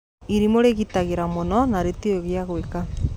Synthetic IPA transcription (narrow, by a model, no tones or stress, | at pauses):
iɾimoɾeɣitaɣeɾamonɔnaɾetioɣeaɣweka